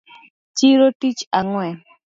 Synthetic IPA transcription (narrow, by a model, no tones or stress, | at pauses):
t͡ʃiɾotit͡ʃaŋwɛ